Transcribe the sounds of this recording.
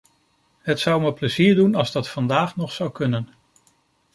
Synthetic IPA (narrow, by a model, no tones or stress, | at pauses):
ɦətsʌwməpləziːɹdunɑlˠzdɑtfɑndaːχnɔχsʌwkɵnən